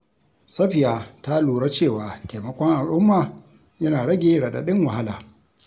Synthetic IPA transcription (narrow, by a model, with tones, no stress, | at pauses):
sɐ˦ɸɪ˨jaː˨ta˦luː˨ɽa˦t͡ʃeː˦˨waː˨teː˨mɐ˦kʷɔ˦ŋʔa˨lʔʊ˦mːaː˨ | jɐ˦naː˨ɽɐ˦ɡʲeː˦ɽɐ˨ɗa̰˨ɗɪ˦ŋwɐ˨ha˦laː˨